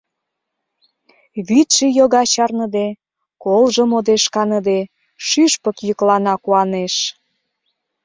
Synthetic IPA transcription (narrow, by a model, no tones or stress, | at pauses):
βyt̪ʃejoɣɑt͡ɕɑrnə̆d̪e | kolʒə̆mod̪eʃkɑnə̆d̪e | ʃyʃpə̆kjəklɑnɑkuɑneʃ